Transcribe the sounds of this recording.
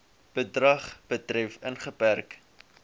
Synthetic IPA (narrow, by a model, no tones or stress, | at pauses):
b̥ədrɐχb̥ətrɛfənχəpærk